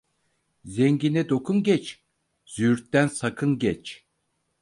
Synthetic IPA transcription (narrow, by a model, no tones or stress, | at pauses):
zeŋɟinɛd̪o̞kʰunɟɛt͡ʃ | z̥yɾt̪ːænsakʰɯnɟɛt͡ʃ